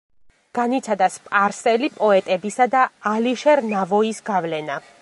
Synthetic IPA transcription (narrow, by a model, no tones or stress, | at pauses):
ɡ̥anit̪sʰad̪aspʼaɾsɛlipʼɔɛt̪ʼɛbisad̪aːliʃɛɾnavɔisɡavlɛna